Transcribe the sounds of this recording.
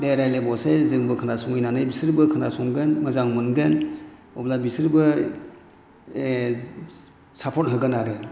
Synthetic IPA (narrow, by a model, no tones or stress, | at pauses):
deɾajlebɔsezɯŋbɯkʰɯnasɔŋɯjnanɯjbisɯɾbɯkʰɯnasɔŋɡɯnmɯzaŋmɯnɡɯn | ɔblabisɯɾbɯ | sapʰɔt̚ɦɯɡɯnaɾɯ